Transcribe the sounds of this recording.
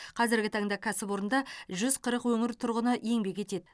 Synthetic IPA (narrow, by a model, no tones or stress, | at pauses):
qʰɑzɪɾɡʲɪt̪ʰɑɴd̪ɑkʲʰæsɪpwo̞ɾənd̪ɑʒʏzqʰəɾəqwɵŋɪɾt̪ʰʊɾʁənəʔje̞ŋbe̞kʲʰet̪e̞d̪ɪ